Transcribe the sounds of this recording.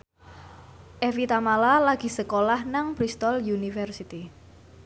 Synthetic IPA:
ʔefit̪amalalaɡ̥i̤səkolahnaŋpɾist̪ɔljunifərsit̪i

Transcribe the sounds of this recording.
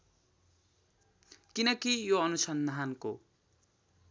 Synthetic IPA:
kinʌkijoʌnusʌnd̪ʱanko

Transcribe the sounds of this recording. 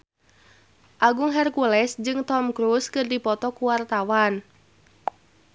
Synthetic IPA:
ʔaɡuŋɦɛrkulɛsd͡ʒɨŋt̪ɔmkɾuskɨrdipɔt̪ɔkuwart̪awan

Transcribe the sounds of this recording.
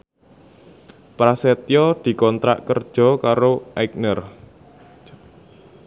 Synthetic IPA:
pɾaset̪jɔd̪̥i̤kɔnt̪ɾa̰ʔkərd̥ʒ̥ɔ̤kaɾoʔajk̚nər

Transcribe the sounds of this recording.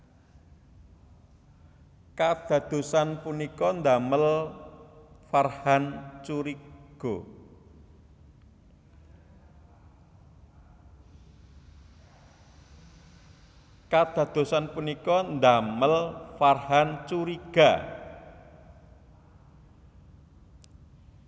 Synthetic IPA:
kad̪̥ä̤d̪̥o̤sanpunikɔnd̪aməl | farhant͡ʃuɾiɡ̥o | kad̪̥ä̤d̪̥o̤sanpunikɔnd̪aməlfarhant͡ʃuɾiɡ̥a

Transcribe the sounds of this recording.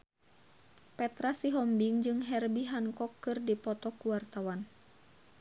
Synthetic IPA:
pɛt̪ɾasiɦɔmbiŋd͡ʒɨŋɦɛrbiɦaŋkɔkːɨrdipɔt̪ɔkuwart̪awan

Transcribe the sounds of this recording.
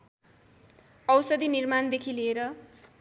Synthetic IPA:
ʌwsʌd̪inirmand̪ekʰileeɾʌ

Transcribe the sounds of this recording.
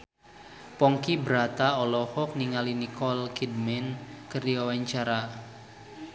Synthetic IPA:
pɔŋkibəɾat̪aɔlɔhɔk̚niŋalinikɔlkidmɛnkərdiwawaɲt͡ʃaɾa

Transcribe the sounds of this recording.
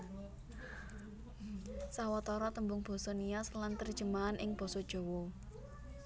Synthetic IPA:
sawɔt̪ɔɾɔt̪əmbʊŋb̥ɔ̤sɔnijaslant̪ər̥ʒ̥ə̤maːnʔɪŋb̥ɔ̤sɔd̥ʒ̥o̤wɔ

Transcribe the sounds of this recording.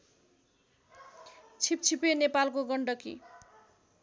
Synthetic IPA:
t͡sʰip̚t͡sʰipenepalkoɡʌɳɖʌkḭ

